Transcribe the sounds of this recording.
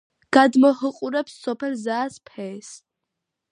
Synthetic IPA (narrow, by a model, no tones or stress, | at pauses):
ɡ̥ad̪mɔhɨqʼuɾɛpsːɔpʰɛlzaːspʰɛːs